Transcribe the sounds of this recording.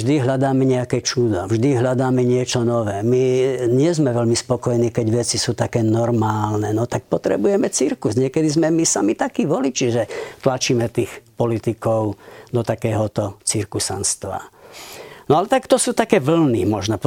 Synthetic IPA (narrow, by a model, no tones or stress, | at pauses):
ʒd̪iɦlʎad̪aːmɛɲɛakɛt͡ʃud̪ɔvʒd̪iɦʎad̪aːmɛɲɪɛt͡ʃɔnɔʋɛːmiɲɪɛzmɛʋɛʎmispɔkɔjɛniːkɛɟʋɛt͡sisuːt̪akɛːnɔɾmaːlnɛnɔt̪ak̚pɔt̪ɾɛ̰bujɛmɛt͡siɾkusɲɪɛkɛd̪izmɛmisamit̪akiːʋɔlit͡ʃiʒɛt̪lat͡ʃiːmɛt̪iːxpɔlit̪ikɔʊd̪ɔt̪akɛːɦɔt̪ɔt͡siɾkusa̰nst̪ʋa̰ | nɔalɛt̪akt̪ɔsuːt̪akɛːʋl̩nimɔʒnɔp